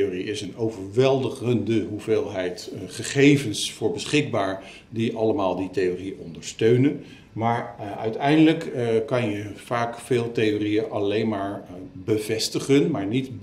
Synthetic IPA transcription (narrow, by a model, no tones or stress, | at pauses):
oːriɪsənowvəɹʋɛlˠdəχəndəɦuveːlˠɦɛjtχəχejvənsfʊːɹbəsχɪɡ̚baːɹ | diʔɑləmaːlˠditejoːriəʔɔndəɹstøɥnən | maːɹœ̰ɥtɛjndələkːɑnjəvaːkfeːlˠtejoːrijənʔɑlejnmaːɹbəvɛstəχənmaːɹnit